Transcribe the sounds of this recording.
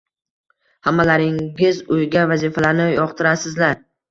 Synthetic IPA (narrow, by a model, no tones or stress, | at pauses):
hamːalaɾɪŋɪzʊjɡʲavazifalaɾnɪjɒqt̪ʰɪɾasɪzlaɾ